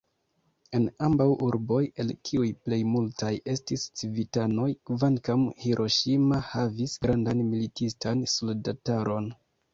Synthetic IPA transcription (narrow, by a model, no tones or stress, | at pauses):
e̞nambawʔuɾbo̞je̞lkʰiujple̞jmultajʔe̞stist͡sivitano̞jkvankamhiɾʔo̞ʃimahavisɡɾandanmilitistansoldataɾo̞n